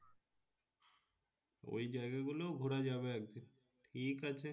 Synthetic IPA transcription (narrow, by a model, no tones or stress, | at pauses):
o̰jd͡ʑajɡaɡuloɡʱoɾad͡ʑaβeɛk̚d̪in | ʈʰikat͡ɕʰe